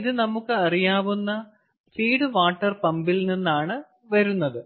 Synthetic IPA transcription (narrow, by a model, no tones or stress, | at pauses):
iðɨnɐmukːɨɐrijaːʋunːɐ | t͡ɕiːɽɨʋaːʈːɐrpɐmbilninːaːɳɨ | ʋɐɾunːɐðɨ